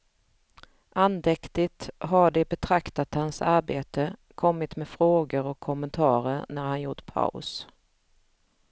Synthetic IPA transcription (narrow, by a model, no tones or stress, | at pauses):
ʔand̪ɛkt̪ɪt̪ɦaɖɛbɛt̪ʰɾakt̪at̪hansaɾbeːt̪əkʰɔmːɪt̪mɛfɾoːɡəɾɔkʰːɔmənt̪ʰɑːɾəɾnæɾhanjʊʈpʰa̰ʊs